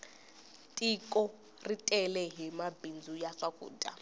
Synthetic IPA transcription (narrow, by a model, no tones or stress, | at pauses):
tʼikʼɔ | ritʼɛlɛɦimabind͡zʱujaʂakʼṵːtʼa̰